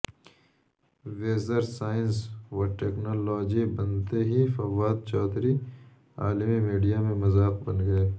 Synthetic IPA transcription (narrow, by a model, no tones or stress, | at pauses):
weːzəɾsaːɪnswɐʈeːknoːlɔːd͡ʒibɐnt̪eɦifɐwaːd̪̚t͡ʃɔːt̪ɾi | aːlmimiːɖijamẽmɐzaːq̚bɐnɡɐeː